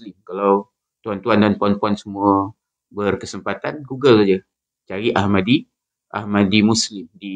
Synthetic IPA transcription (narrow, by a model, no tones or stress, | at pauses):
lɪmkalaw | t̪uant̪uandanpuanpuansəmuə | bərkəsəmpat̪anɡuɡəlad͡ʒə | t͡ʃaɾiʔahmadi | ʔa̰hmadimuslɪmdi